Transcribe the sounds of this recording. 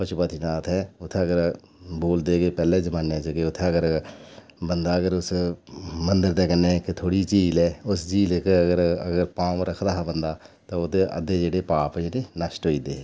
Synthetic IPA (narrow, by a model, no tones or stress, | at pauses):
pət͡ʃʰʊpaːt̪ʰiːnaːt̪ʰɦɛːʊt̪ʰːeːəɡəɾ | boːld̪eːɡeːpɛːleːd͡ʒəmaːnːẽːt͡ʃəɡeːʊt̪ʰːeəɡəɾ | bənd̪aːəɡəɾʊs | mənd̪əɾd̪eːkənːeket̪ʰoːɽiːt͡ʃiːlɛːʊsd͡ʒiːlekeəɡəɾə̰ɡəɾpãːmɾəkʰd̪aːɦbənd̪aːt̪aːʊd̪eːʔə̰d̪eːd͡ʒeːɽeːpaːpd͡ʒeneːnəsʈɦoːiːd̪eː